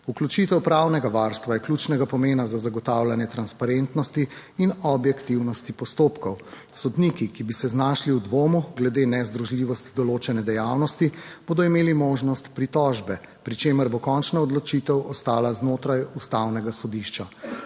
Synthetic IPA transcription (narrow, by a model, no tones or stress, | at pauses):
uklʲut͡ʃit̪ɛwpɾawnɛɡaʋaɾst̪ʋajɛklʲut͡ʃnɛɡapɔmeːnazazaɡɔt̪awlanjɛt̪ɾanspaɾent̪nɔst̪iː | nɔbjɛkt̪iwnɔst̪ipɔst̪oːpkɔw | sɔd̪nikikibisɛznaʃliwd̪ʋoːmuɡlɛd̪eːnɛzd̪ɾuʒliʋɔst̪i̥d̪ɔloːt͡ʃɛnɛd̪ɛjawnɔst̪ib̥oːd̪ɔimeːlimoːʒnɔst̪pɾit̪ɔʒbɛ | pɾit͡ʃeːməɾbokɔnt͡ʃnaɔd̪lɔt͡ʃit̪ɛwɔst̪aːlaznoːt̪ɾajust̪awnɛɡasɔd̪iʃt͡ʃa